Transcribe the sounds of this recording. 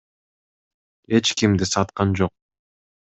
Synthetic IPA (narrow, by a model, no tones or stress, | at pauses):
e̞t͡ʃkimd̪isɑt̪qɑnd͡ʒo̞q̚